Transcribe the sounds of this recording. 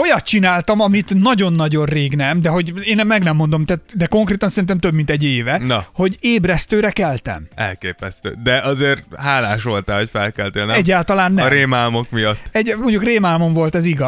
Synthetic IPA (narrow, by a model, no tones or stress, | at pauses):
o̞jɒt̪t͡ʃinaːlt̪ɒmɒmit̪nɒɟo̞nːɒɟo̞nreːɡnɛmd̪ɛɦo̞ɟeːnɛmːɛɡnɛmːo̞nd̪o̞mt̪at̪d̪ɛko̞ŋkreːt̪ɒnsɛɾint̪ɛmt̪øbmint̪ɛɟːeːvɛnho̞ɟeːbrɛst̪øːɾɛkɛlt̪ɛ̰mɛ̰lkeːpɛst̪ø̰ːd̪ɛʔɒzeːrhaːlaːʃo̞lt̪aɦocfɛlkɛlt̪elnɛɛɟːaːlt̪ɒlaːnːɛɾeːmaːlmo̞kmijɒtːɛɟmo̞ɲɟukreːmaːlmo̞ɱvo̞lt̪ɛziɡɒ